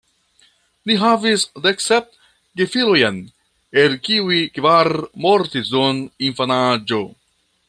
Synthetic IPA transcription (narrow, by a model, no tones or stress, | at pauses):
liɦavisdeksep̚t | ɡefilojan | elkiuikvaɾmo̞ɾtisdoninfanad͡ʒo̞